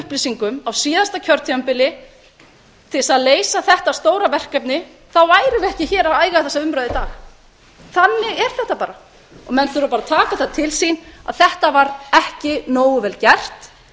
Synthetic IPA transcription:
hplɪsiŋkʏmawsiːðast̪acʰœɾ̥t̪ʰiampɪlɪ | t̪ʰɪsaðleːjsaθɛht̪ast̪oːwɾavɛr̥kɛp̚nɪ | θawaːjɾɪvɛhcɪçɛːɾaaːjɣaθɛsːaʏmɾœɥðɪt̪aːx | θanːɪɣɛɾ̥θɛht̪ːapaːɾa | ɔɣmɛnθʏɾʏpaɾat̪ʰaːkaθat̪ʰɪlsina̰ðθɛht̪avaɾɛhcɪnoːwʏvɛːlcɛr̥t̪

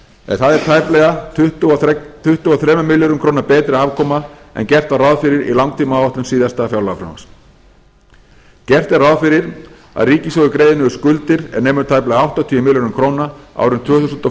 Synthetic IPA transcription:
ɛ̰nθaðɛɾ̥t̪ʰajplɛɣat̪t̪ʰʏht̪ʏaθɾɛːmʏmɪljɔɾʏmkʰɾoːwnapɛːt̪ɾɪaːvkʰɔːma | ɛ̰ncɛr̥t̪varawðfɪɾɪɾḭlawŋkt̪ʰiːmaaaht̪ʏmsiːðast̪aːfjawlaafɾa̰nma̰s | cɛr̥t̪ɛrawðfɪɾɪɾ | a̰ðriːcɪsɔwðʏkɾeːjðɪnʏʏskʏlt̪ɪɾɛ̰neːmʏɾt̪ʰaːjplɛːɣaawht̪at̪ʰiːʏmɪljɔnʏmkʰɾoːwnaa̰wɾʏmt̪ʰv̥ʏːθusʏnt̪ɔ

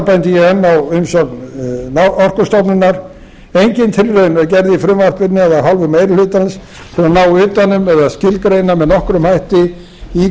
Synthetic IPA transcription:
pajnt̪ɪjɛhɛnːawʏmsɔknaɔr̥kʏst̪ɔpnɪnːaɾ | ejɲcɪnt̪ʰɪɾrejnacɛɾðɪifɾʏmvar̥pɪnɪaðaðɦɔlvʏmejɾɪlʏːt̪als | θɛɾanaːwʏːt̪anːʏmɛðaðscɪlkɾejnamɛðnɔhkɾʏmhajht̪ɪ | i

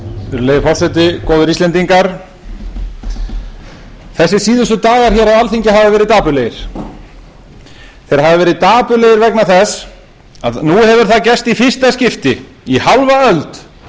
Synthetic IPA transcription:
ɾleːjðfɔr̥sɛt̪̬ɪkɔːðʏɾist̪ɛnt̪iŋkaɾ̥ | θɛsːɪsiːðʏst̪ʏt̪aːɣaɾ̥çɛːɾawalθiɲcɪɦavɪvɛːɾɪðt̪aːpʏleːjɪɾ̥ | θejɾhavɪvɛːɾɪðt̪aːpʏleːjɪɾvɛknaθɛs | aðnuhɛvʏɾ̥θaðcɛst̪ifɪr̥st̪ascɪft̪ɪ | ihalvaœlt̪

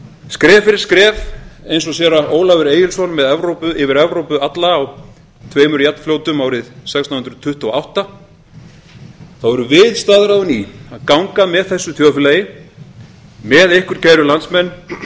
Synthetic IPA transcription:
skɾɛːvfɪɾɪ̥ɾ̥skɾɛːvejnsɔsjɛɾaoːwlavɪɾeːjɪlsɔnmɛðɛvɾowpʏʔɪvɪɾɛvɾowpʏat̪laːw | t̪ʰveːjmʏɾjat̪n̥fljoːwt̪ʏmaːwɾɪðsɛkst̪ahʏnɾʏ̥t̪ʰʏht̪uawht̪a | θawɛɾʏvɪðst̪aðɾawðʏniaðkawŋkamɛðθɛsːʏθjoːwfɪlejɪ | mɛðejhkʏɾ̥caːjɾʏlant̪smɛnː

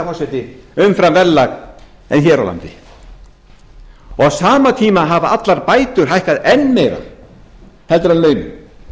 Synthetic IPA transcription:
masɛt̪ɪʏmfɾamvɛlːak | ɛ̰nçɛɾa̰wla̰nt̪ɪ | ɔɣsaːmat̪ʰiːmaɦavaat̪laɾpaːjt̪ʏɾ̥ɦajhkaðɛnːmɛjɾa̰ | hɛlt̪ɾanlœːɥmʏ̰

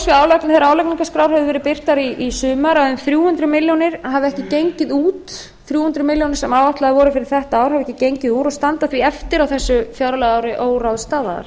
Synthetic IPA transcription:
sviaːwlaknɪθɛɾaːwlakniŋkaskɾaːwɾhɛvðɪvɛːɾɪpɪr̥t̪aɾiʔisʏːmaɾaðʏmθɾjuːhʏnt̪ɾʏmɪljonɪɾ̥ɦavɛhcɪcejɲcɪðuːt̪ | θɾjuːhʏnt̪ɾʏmɪljownɪ̥sɛmawvaht̪laɣðavɔɾʏfɪɾɪɾ̥θɛht̪aaːwɾ̥havɛhcɪcejɲcɪðuːɾɔst̪ant̪aθviɛft̪ɪɾawθɛsːʏfjaɾalɛɣaːwɾɪʔoːwɾawðst̪aːðaða̰ɾ̥

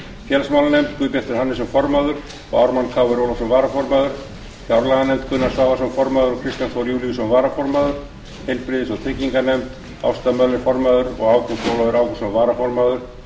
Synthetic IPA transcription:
fjɛlsmawlanejmt̪kvʏpjɛ̥t̪ɪɾ̥hanːɪsɛmfɔɾmaðʏɾ̥ | ɔ̰ɣawɾmankʰaːwvʏɾowlɔsɔmvaːɾafɔɾmaðʏɾ̥ | fjawɾlaɣanejmt̪kʰʏnaɾsvaːvasɔmfɔɾmaðʏɾɔkʰɾɪst̪jant̪ʰɔɾjuːliɣsɔmvaːɾafɔɾmaðʏɾ̥ | hejlpɾɪðɪsɔɣt̪ʰɪcːiŋkanejmt̪ | a̰wst̪amœlɪɾfɔɾmaðʏɾɔ̰ɣaːwkʏt̪owlaðʏɾaːwkɔsɔmvaːɾafɔɾmaðʏɾ̥

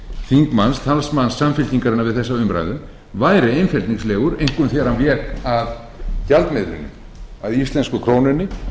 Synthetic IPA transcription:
θiŋkmanst̪ʰalsmansːamfɪlt̪iŋkaɾɪnavɪðθɛsːaʏmpɾa̰jðʏ | vaːjɾɪejnfɛlt̪niŋslɛːɣʏɾejŋkʏmθjɛɾanvjɛːkað | çalt̪mɪðɾʏ̰nːɪ̰ | aðist̪lɛnskʏkʰɾoːwnʏnːɪ

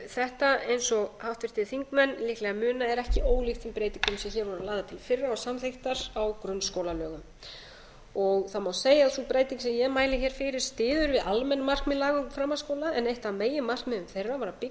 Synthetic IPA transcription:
θɛht̪aejnsɔhawht̪vɪr̥t̪ɪθiŋkmɛnːlihklɛɣamʏːnaɛɾɛhcɪʔoːwlixt̪θɛmpɾeːjt̪iŋkʏmsɛmçɛɾvɔɾalaːðat̪ʰɪlfɪrːaasamθejht̪aɾawkɾʏnːskowlalœːɣʏm | ɔɣθamawseːjasupɾaːjt̪iŋksɛmjɛɣmaːjlɪçɛɾ̥fɪɾɪɾ̥st̪ɪːðʏɾvɪðʔalmɛnːmar̥kmɪlːaɣʏmfɾamːaskoːwlaɛnejht̪ameːjɪmar̥kmɪðʏmθejrːavaɾapɪ

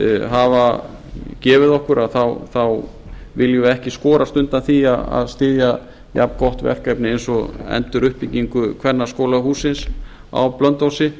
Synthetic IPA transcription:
ɦava | cɛːvɪðɔhkʏɾʔaðθawθawvɪljʏɛhcɪskɔːɾast̪ʏnt̪anθia̰a̰ðst̪ɪːðja | ja̰pkɔht̪vɛ̰r̥kajpnɪejnsɔɛ̰nt̪ʏɾʏhpiciŋkʏkʰvɛnːḁskoːlaɦuːsɪns | a̰wplœnt̪owsɪ

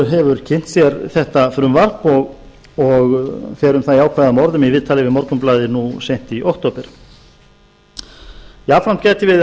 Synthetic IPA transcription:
ɦɛvʏɾcʰɪn̥t̪sjɛɾθɛht̪afɾʏmvar̥pɔɣ | ɔɣfɛːɾʏmθaðiaːwkʰvaːðamɔɾðʏmivɪːðt̪ʰaːlɪvɪðmɔɾkʏmplaːðɪnusejn̥t̪iʔɔwhkt̪oːpɪɾ̥ | iaːfɾan̥t̪cɛːjt̪ɪvɪð

